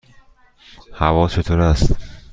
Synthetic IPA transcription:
havɒt͡ʃʰet̪ʰoɾast̪

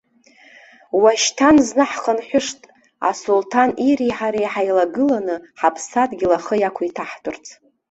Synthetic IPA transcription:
waʃtʰanznɨħχənħʷᶣʊʂtʼ | a̰sultʰaniɾiħaɾejħajlaɡɨlanɨħapʰsadɡʲɪlaχəjakʷʰaitʰaħtʰʼʊrt͡sʰ

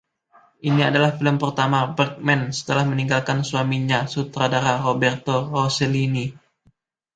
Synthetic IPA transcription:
ʔiniadalahfiləmpərt̪amabərk̚mɛnsə̥t̪əlahməniŋɡalkansuamiɲasut̪ɾadaɾarobɛrt̪orosəlini

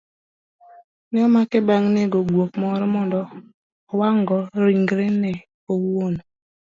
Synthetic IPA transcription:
nɛɔmakɛbaŋneɡoɡwok̚mɔɾɛmɔndɔː | waŋɡɔɾiŋɡɾenɛ | owon

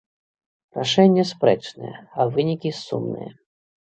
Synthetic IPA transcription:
ɾaʂɛnʲːɐspɾɛt͡ʂnɨ̰jɛ̰ɐvɨnʲikʲisṵmnɨ̰jɐ

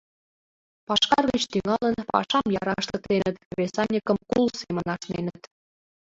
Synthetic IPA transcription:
pɑʃkɑrɣə̆t͡ɕt̪yŋɑlə̆npɑ̰ʃɑmjɑɾɑʃt̪ə̆k̚t̪enət̪̚βʲesɑnʲikə̆mkulsemə̆nɑʃnenət̪

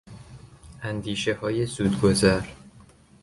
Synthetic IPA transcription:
ʔænd̪iːʃehɒːjezuːd̪ɡozæɾ

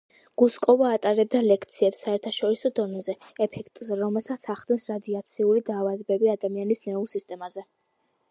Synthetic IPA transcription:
ɡ̥uskʼɔvaːt̪ʼaɾɛb̚d̪alɛkʰt̪sʰiɛpsːaɛɾt̪ʰaʃɔɾisɔd̪ɔnɛzɛɛpʰɛkʰt̪ʼzɛɾɔmɛlˠsat̪sʰaχd̪ɛnsɾad̪iat̪sʰiulid̪aːvad̪bɛbiad̪amianisnɛulˠsist̪ʼɛmazɛ

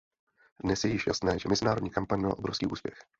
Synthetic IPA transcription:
dnɛsjɛjɪʃja̰snɛːʒɛmɛzɪnaːɾo̞dɲiːkampaɲmalaʔo̞bɾo̞fskḭːʔuːspjɛx

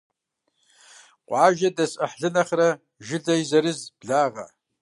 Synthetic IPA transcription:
qʷʼaʒadasʼa̰ħɮɨnaχra | ʒɪdajzaɾɨzbɮaʁa̰

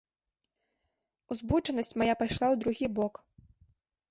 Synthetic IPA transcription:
uzbut͡ʂɐnɐsʲt͡sʲmajapajʂlˠawd̪ɾuɣʲibɔk

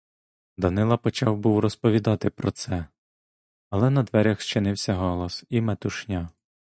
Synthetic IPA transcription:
d̪ɐnɪlˠɐpɔt͡ʃɑwbuwrɔspɔʋʲid̪ɑt̪ɪpɾɔt̪sɛ | ɐlˠɛnɐd̪ʋɛɾʲɐxʃt͡ʃɪnɪwsʲɐɦɔlˠɔsimɛt̪ʊʃnʲa

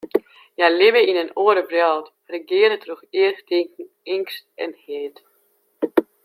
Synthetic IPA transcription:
jajlɪvəinənoəɾəbrjɔlt | rəɡɪəɾətʰruxɪəxtɪŋkŋ̩ | ɪŋkstɛ̰nheːt

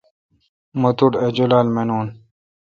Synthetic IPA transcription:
mut̪uʈed͡ʑulaːlmenoːn

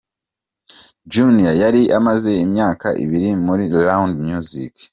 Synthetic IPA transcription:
d͡ʒunijajaɾiʔamaze̞imɲaːka̰ʔḭβiɾimuɾilawndmjuzḭk

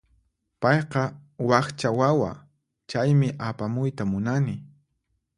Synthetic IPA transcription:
pɑjqɑwɑχt͡ʃawawa̰ | t͡ʃajmɪʔapamʊjt̪amʊnanɪ

